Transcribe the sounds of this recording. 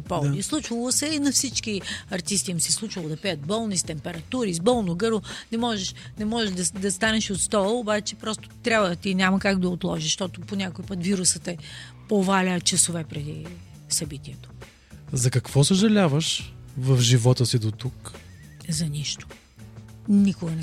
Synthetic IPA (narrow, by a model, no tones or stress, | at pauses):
pɔvd̪islˠut͡ʃvɐlˠosɛinɐfsit͡ʃkiɐɾt̪ist̪imsɛslˠut͡ʃvɐlˠod̪ɐpɛət̪̚bɔlˠnist̪ɛmpɛɾɐt̪uɾizbɔlˠnoɡɤɾvonɛmɔʒɛʃnɛmɔʒɛʒd̪ɐd̪ɐst̪anɛʃot̪st̪ɔlˠobat͡ʃɛpɾɔst̪ʊ̥t̪ɾʲabvət̪inʲamɐkaɡ̚d̪ɐot̪lˠɔʒiʃʃt̪ɔt̪oponʲakoipət̪viɾʊsət̪ɛ | povalʲət͡ʃɐsovɛpɾɛd̪i | sɐbit̪iɛt̪o̥ | zɐkɐkvɔsoʒɐlʲavəʃvɐfʒivɔt̪əsid̪ot̪uk | zɐniʃt̪o̥ | nikʊɡɐnɛ